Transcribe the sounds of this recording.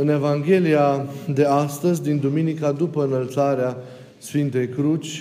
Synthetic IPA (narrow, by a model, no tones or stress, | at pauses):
ɨne̞vaŋɡʲe̞liad̪e̞ast̪əzʲd̪ind̪uminikad̪upəɨnəlt̪saɾea | sfint̪e̞jkɾut͡ʃʲ